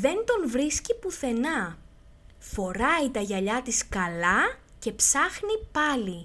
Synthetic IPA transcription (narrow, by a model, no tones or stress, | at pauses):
ðe̞nt̪o̞nvɾiscipuθe̞nɐ | fo̞ɾɐit̪ɐʝɐʎɐt̪iskɐlɐ | ce̞psɐxnipɐli